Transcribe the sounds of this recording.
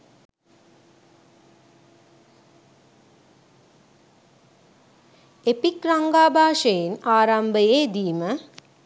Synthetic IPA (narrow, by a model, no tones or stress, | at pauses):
epikɾaŋɡaːbʱaːʂəjinaːɾambəjeːd̪iːmə